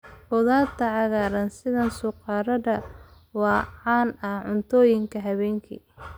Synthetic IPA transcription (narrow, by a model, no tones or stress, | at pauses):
bɔðaːt̪ʰɐʕɑɣaːɾɐnsɪðɐnsʊqɑːɾɐðɐ | wɑːʕɑːnɐhʕʊnt̪ʰɔːjɪŋkʰɐɦɐβɛːŋkʰḭː